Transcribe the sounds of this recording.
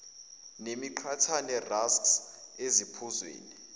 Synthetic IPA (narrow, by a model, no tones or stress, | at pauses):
nemiǃʰatʰanɛrasks | ezipʰuzwḛːni